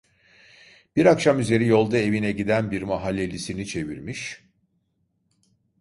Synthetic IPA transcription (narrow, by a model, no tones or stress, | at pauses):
b̥iɾakʃamyze̞ɾijo̞lˠd̪ae̞vinɛɟid̪ænbiɾmaɦalʲːelʲisinit͡ʃʰe̞vḭɾmiʃ